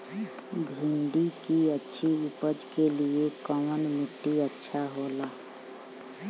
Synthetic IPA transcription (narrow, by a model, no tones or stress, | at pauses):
bʱĩɳɖikiətːʃʰiʊpəd͡ʒkeliekɔmənmɪʈːiətːʃʰaɦoːlaː